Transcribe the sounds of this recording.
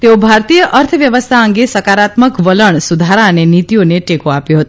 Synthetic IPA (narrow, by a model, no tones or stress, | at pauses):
t̪eobʱaɾt̪ijəʔəɾt̪ʰəʋjəʋəst̪ʰaəŋɡesəkaɾat̪məkʋələɳ̃sud̪ʱaɾaənenit̪ijoneʈekoapjoɦət̪o